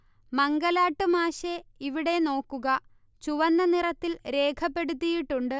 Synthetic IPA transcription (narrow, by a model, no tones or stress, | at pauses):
mɐŋɡɐlaːʈːɨmaːɕeiʋiɽe̞no̞ːkːuɣɐ | t͡ɕuʋɐnːɐnirɐt̪ːilɾe̞ːkʰɐpːe̞ɽut̪̬ːijiʈːuɳɖɨ